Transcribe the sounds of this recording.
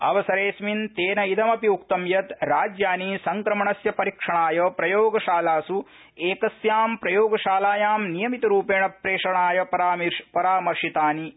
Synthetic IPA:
ɐ̰ʋɐsɐɾeːsmint̪eːnɐid̪ɐmɐpiukt̪ɐmjɐt̪ɾaːd͡ʒjaːnisɐŋkɾɐmɐɳɐsjɐpɐɾikʂɐɳaːjɐpɾɐjoːɡɐʃaːlaːsu | eːkɐsjaːmpɾɐjoːɡɐʃaːlaːjaːmnijɐmit̪ɐɾuːpeːɳɐpɾeːʂɐɳaːjɐpɐɾaːmipɐɾaːmɐɾʂit̪aːni

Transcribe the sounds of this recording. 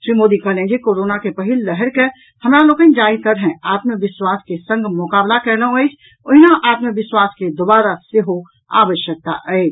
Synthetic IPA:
ʃɾiːmoːd̪ikəlẽd͡ʒikoːɾoːnakepəɦɪlːɛɦəɾke | hɐmɾaloːkə̃d͡ʒaːit̪əɾɦɛ̃aːt̪məʋɪswaːskesə̃ŋɡmʊkaːblakɛlõɛːd͡ʒ | oɦinaʔaːt̪məʋɪswaːsked̪obaːɾaseɦo | a̰ːʋəʃjək̚t̪a̰ʔɛeːd͡ʒ

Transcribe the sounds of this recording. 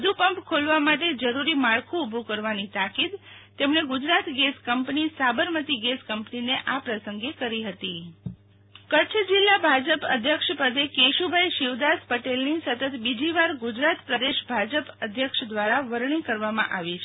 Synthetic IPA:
əd̪upəmpkʰolʋamaʈed͡ʒəɾuɾimaɭkʰũubʱukəɾʋanit̪akid̪ | t̪emɳeɡʊd͡ʒɾat̪ɡeskəmpnisabəɾmət̪iɡeskəmpnineʔapɾəsəŋɡekəɾiɦət̪i | kət͡ʃʰd͡ʒɪlːabʱad͡ʒəpə̰d̪ʱjəkʃpəd̪ekeʃubʱajʃɪʋd̪aspəʈelnisət̪ət̪bid͡ʒiʋaɾɡʊd͡ʒɾat̪pɾəd̪eʃbʱad͡ʒəpəd̪ʱjəkʃd̪ʋaɾaʋəɾɳ̃ikəɾʋamã̰ʔaʋit͡ʃʰe

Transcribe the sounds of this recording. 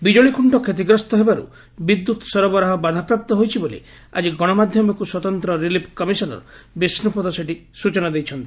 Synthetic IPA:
bid͡ʒoɭikʰuɳʈɔkʰet̪̬iɡɾɔst̪ɔɦebaɾṵ | bid̪ːut̪ɔ̥sɔɾɔbɔɾaɦɔbad̪ʱapɾap̚t̪ɔɦojt͡ʃʰibolḛ | a̰d͡ʒiɡɔɽ̃ɔmad̪ʱjɔmɔkuswɔt̪ɔnt̪ɾɔɾilipʰkɔmisɔnɔ̰ɾɔ̰bisnupɔd̪ɔseʈisut͡ʃɔnad̪ejt͡ʃʰɔnt̪i̥

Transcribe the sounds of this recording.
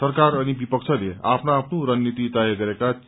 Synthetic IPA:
sʌɾkaɾʌnibipʌkt͡ʃʰʌlea̰pnaːpnuɾʌnːit̪id̪ajʌɡʌɾeka

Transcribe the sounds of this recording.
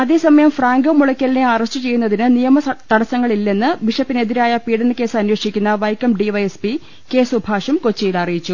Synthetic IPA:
ɐðe̞ːsɐmɐjɐmfraːŋɡɐmːuɭɐkʲːɐlneaːrɐɕʈɨt͡ɕe̞jːunːɐðinɨnijɐmɐt̪ɐɽɐsɐŋːɐɭilːe̞nːɨʋiʂɐpːineðiɾaːjɐpiːɽɐnːɨke̞ːsɐnwɐʂikʲːunːɐʋɐjkɐmɖiʋɐjespi | ke̞ːsubʱaːʂɐmko̞t͡ɕːijilɐrijit͡ɕːu

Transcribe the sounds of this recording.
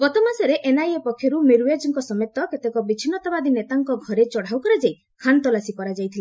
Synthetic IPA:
bɔt̪ɔmasɔɾeʔenajepɔkʰjɔɾumeɾued͡ʒɔŋkɔsɔmet̪ːɔket̪ekɔbit͡ʃʰinɔt̪abad̪inet̪aŋkɔɡʱɔɾet͡ʃɔɽ̤awkɔɾad͡ʒaj | kʰant̪ɔlasipɔɾad͡ʒajt̪ʰila

